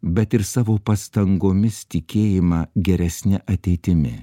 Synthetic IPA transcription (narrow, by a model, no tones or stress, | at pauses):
bʲɛt̪ɪɾsɑːʋoːpɐst̪ɐŋɡoːmʲɪst̪ʲɪkʲeːjɪmɑɡʲɛɾʲɛsʲnʲɪʔɐt̪ʲɛɪt̪ʲɪmʲɪ̰